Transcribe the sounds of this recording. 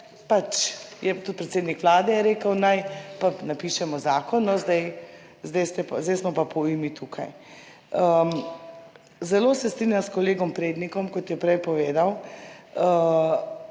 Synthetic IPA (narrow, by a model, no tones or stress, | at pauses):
pat͡ʃjɛt̪ut̪̚pɾɛt̪seːd̪nikʋlaːd̪ɛjɛɾeːkəwnajpanapiːʃɛmɔzaːkɔnːɔzd̪ɛj | zd̪ɛjst̪ɛpzd̪ɛjsmɔpapɔimit̪ʰuːkʰa̰j | ə | zɛloːsɛst̪ɾinjaskɔleːɡɔmpɾeːd̪nikɔmkɔt̪jɛpɾɛjpɔʋeːd̪aw | ə